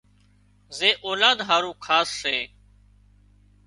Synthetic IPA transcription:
zeːʔoːlaːd̪ɦaːɾũːkʰaːsːeː

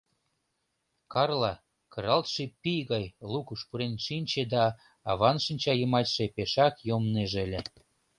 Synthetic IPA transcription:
kɑrlɑ | kɤɾɑlt̪ʃepijɣɑjlukuʃpuɾenʃinʲt͡ɕed̪ɑː | βɑnʃinʲt͡ɕɑjə̆mɑtʲʃepeʃɑkjomneʒelʲe

